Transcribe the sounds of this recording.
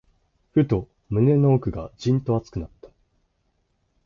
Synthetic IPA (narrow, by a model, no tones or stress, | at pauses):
ɸɯ̟t̪o̞ | mɯ̟ne̞noːkɯ̟ɡa̰d͡ʑĩnt̪o̞at͡sɨ̥kɯ̟nat̪ːḁ